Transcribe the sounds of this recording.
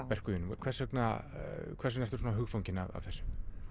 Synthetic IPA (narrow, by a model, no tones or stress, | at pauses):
pɛr̥kʏðʏnmkʰv̥ɛ̥sɛkna | kʰvɛrsʏnɛɾ̥t̪ʏɾsonaɦʏɣfawɲcɪna̰va̰vθɛsːʏ̥m